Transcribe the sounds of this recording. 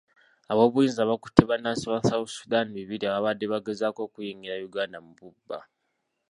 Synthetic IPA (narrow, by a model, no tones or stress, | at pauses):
aβo̞ːβujiːnzaβaku̥tʰːeβanasiwasausudaniβiβiɾiaβaβadːe̞βaɡe̞zaːko̞ːkujiŋɡiɾajuɡaːndamuβubːa̰